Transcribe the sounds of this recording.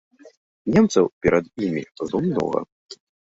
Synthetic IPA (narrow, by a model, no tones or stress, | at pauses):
nʲɛmt̪sɐwpʲɛɾʔɐd̪jimʲizumnɔ̰ɣɐ̰